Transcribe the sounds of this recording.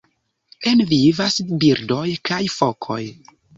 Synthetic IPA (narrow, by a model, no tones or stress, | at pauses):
e̞nvivasbiɾdo̞jkajfokʰo̞̰j